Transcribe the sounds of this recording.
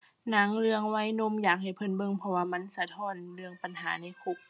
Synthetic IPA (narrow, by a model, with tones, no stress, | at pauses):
na˧˥˦ŋlɯ˧əŋwa˧˥jno˧˥˨mjaː˨˩k̚ha˨˩jpʰɤ˧˩˨nbɤ˧˨ŋpʰɔ˧waː˧ma˧˥˨nsa˧t̪ʰɔː˧˥˨nlɯ˧əŋpa˨nɦaː˩˦na˧˥˨jkʰo˧˩k̚